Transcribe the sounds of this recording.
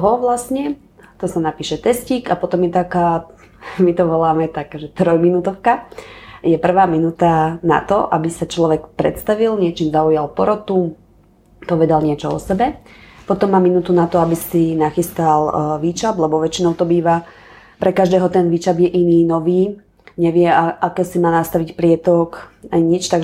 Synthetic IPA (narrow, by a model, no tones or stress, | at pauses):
ɦɔʋlasɲɛ | t̪ɔsanapiːʃɛt̪ɛsciːkapɔt̪ɔmjɛt̪akaː | mit̪ɔʋɔlaːmɛt̪akʒɛt̪ɾɔjminut̪ɔʊkajɛpr̩ʋaːminut̪ana̰t̪ɔ̰ʔa̰bisat͡ʃlɔʋɛkpɾɛ̰t̪st̪aʋilɲɪɛt͡ʃiːmzaujalpɔɾɔt̪u | pɔʋɛd̪alɲɪɛt͡ʃɔɔ̰sɛbɛpɔt̪ɔmːaːminuːt̪unat̪ɔabisinaxist̪alʋiːt͡ʃablɛbɔʋɛt͡ʃinɔʊt̪ɔbiːʋa | pɾʔɛkaʒd̪ɛːɦɔt̪ɛnʋiːt͡ʃabjɛʔiniːnɔʋiː | ɲɛʋɪɛaʔakɛsimaːnast̪aʋicpɾɪɛt̪ɔkaɲit͡ʃt̪aɡ